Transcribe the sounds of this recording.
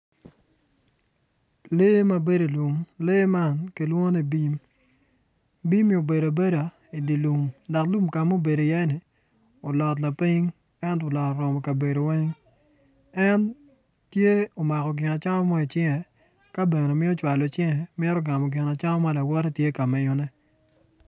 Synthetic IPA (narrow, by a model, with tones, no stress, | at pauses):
le˦ma˦be˦de˨lwu˨ŋle˦ma˦nki˨lwo˦ni˨bi˦m | bi˦mi˦o˨be˨ɾo˨be˦da˨ | i˨di˨lu˨ŋda˨klu˦mka˨mo˦be˨do˨jɛ˦nɪ˨ | o˨lɔ˨tla˨pi˦ŋ | ɛ˦no˨lɔ˨kɾɔ˨mɔ˨ka˨be˨ɾo˨wɛ˦ŋ | ɛ˦n | tje˦o˨ma˨kɔ˨ɡɪ˨na˨t͡ʃa˦ŋɔ˦mɔ˦i˨t͡ʃɛ˦ŋɛ˨ | ka˦be˨ne˨mɪ˦o˦t͡ʃwa˨lo˨t͡ʃɛ˦ŋɛ˨mɛ˦ɾɔ˦ɡa˨mɔ˨ɡɪ˨na˨t͡ʃa˦ŋɔ˦ma˦la˨wɔ˦ɾɛ˦tje˦ka˨mɛ˨ɲɔ˦nɛ˦